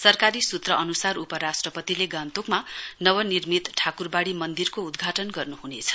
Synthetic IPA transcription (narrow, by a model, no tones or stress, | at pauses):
sʌrkaɾisut̪rʌʔʌnusarupʌɾasʈrʌpʌt̪ileɡãnt̪ukmanʌwʌnirmit̪ʈʰakurbaɽimʌnd̪irkoud̪ɡʱaʈʌnɡʌrnuɦunet͡sʰʌ̥